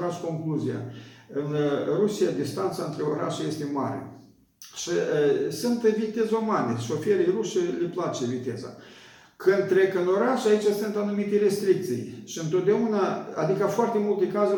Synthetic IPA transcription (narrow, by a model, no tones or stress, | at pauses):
ɾat͡ʃko̞ŋkluzija̰ɨnrusijad̪ist̪ant̪saɨnt̪ɾe̞o̞ɾa̰ʃeje̞st̪e̞ma̰ɾḛ | ʃiəsunt̪vit̪e̞zumaneʃofeɾejɾuʃelʲeplat͡ʃe̞vit̪e̞za̰ | kɨnd̪̚t̪ːɾe̞kɨno̞ɾaʃait͡ʃasɨnt̪anumit̪eɾe̞st̪ɾik̚t̪sijʃiɨnt̪o̞t̪̚d̪eaunaad̪ikafoart̪e̞mult̪e̞kazu